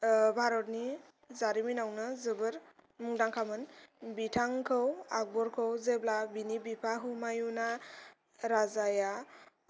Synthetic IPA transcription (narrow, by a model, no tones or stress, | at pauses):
bʱaɾɔt̚ni | zaɾiminawnɯzɯbɯɾmuŋdaŋkʰamɯnbitʰaŋkʰɯwak̚bɔɾkʰɯwzeblabinibipʰaɦumajuna | ɾazaja